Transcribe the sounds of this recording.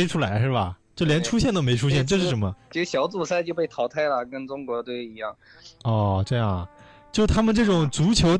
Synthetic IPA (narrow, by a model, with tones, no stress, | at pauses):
ʈ͡ʂʰu˥la˧˥ɪʂɻ̩˥˩bɐ˩t͡ɕjo˥˩ʊljɛ˧˥nʈ͡ʂʰu˥ɕjɛ˥˩nt̪o˥ʊme˧˥ɪʈ͡ʂʰu˥ɕ̬jɛ˥˩nʈ͡ʂɤ˥˧ʂɻ̩˥˩ʂə˧˥nmə˧t͡ɕʰi˧˥ʂɻ̩˥˩ɕjɑ˧˥ʊt͡su˥˨˩sa˥ɪt͡ɕjo˥˧ʊp̬e˥˩ɪt̪ʰɑ˧˥ʊt̪ʰa˥˩ɪlə˨kə˥nʈ͡ʂʊ˥ŋkwɔ˧˥t̪o˥˩i˧˥jɑ˥˩ŋ | ɔ˥˧ʈ͡ʂɤ˥˧jɑ˥˩ŋ | t͡ɕjo˥˩ʊ˧˩t̪ʰa˥mə˨nʈ͡ʂɤ˥˩ʈ͡ʂʊ˨˩ŋt͡su˧˥t͡ɕʰjo˧˥ʊ